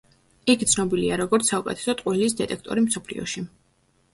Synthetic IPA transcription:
ikʰt̪sʰnɔbiliaɾɔɡɔɾt̪sʰaukʼɛ̰t̪ʰɛ̥sɔt̪ʼqʼwiliːs̬d̪ɛt̪ʼɛk̚ʰt̪ʼɔ̰ɾimsɔpʰlḭɔ̰ʃi

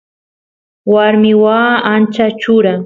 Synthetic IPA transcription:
waɾmɪwaːant͡ʃat͡ʃʊɾa

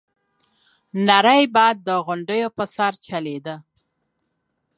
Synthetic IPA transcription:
naɾəjbɑjd̪̚ːəɣʊɳɖəjopəsaɾt͡ʃaled̪ə

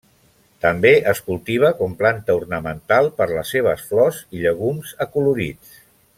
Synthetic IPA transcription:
t̪əmbeʔəskulˠt̪iβ̞əkɔmplant̪əurnəmənt̪alˠpəɾləseβ̞əsflɔziʎəɣ̞umzəkuluɾḭt͡s

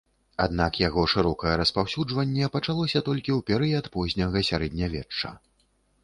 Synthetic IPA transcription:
ad̪nakjaɣɔʂɨɾɔkɐjɛɾɐspawsʲud͡ʐvɐnʲːɛpɐt͡ʂalˠɔsʲɐt̪ɔlʲkʲiwpʲɛɾɨjɐt̪pɔzʲnʲɐɣɐsʲaɾɛd̪ʲnʲɐvʲɛt͡ʂːɐ̰

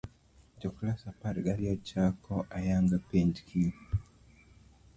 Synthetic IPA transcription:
d͡ʒɔklasapaɾɡaliat͡ʃakɔʔajaŋɡapɛnd͡ʒkʰi

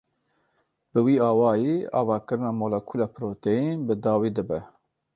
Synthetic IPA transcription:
b̥ɨwiːɑːwɑːjiːɑ̰ːvɑːkɨɾɨnɑːmoːlɛkʰuːlɑːpʰɾoːt̪ejinbɨd̪ɑːwiːd̪ɨbɛ

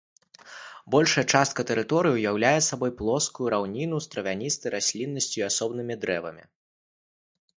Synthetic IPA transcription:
bɔlʲʂɐjɛt͡ʂast̪̚kɐt̪ɛɾɨt̪ɔɾɨjiwjawlʲajɛsabɔjplˠɔskujuɾawnʲinust̪ɾɐvʲanʲist̪ɐjɾasʲlʲinːɐsʲt͡sʲuiasɔbnɨmʲid̪ɾɛvɐmʲḭ

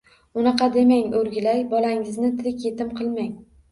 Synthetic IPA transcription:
ʊnɑqʰɑd̪e̞maŋɵɾɡʲɪlajbɒlaŋɪznɪt̪ʰɪlɪkʲje̞t̪ɪmqʰɨlˠmaŋ

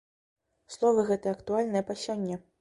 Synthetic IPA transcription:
slˠɔvɨɣɛt̪ɨjɛɐkt̪ualʲnɨjɐpɐsʲɔnʲːɐ

